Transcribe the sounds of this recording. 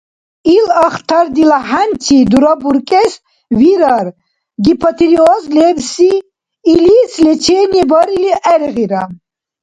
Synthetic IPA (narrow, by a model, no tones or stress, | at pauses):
ilaχt̪ʰaɾd̪ilaħant͡ʃʰid̪uɾabuɾkʼɛs | viɾaɾ | ɡipʰat̪ʰiliɔzlɛbsiː | lislɛt͡ʃʰɛnibɔɾiliʔɛɾɣiɾa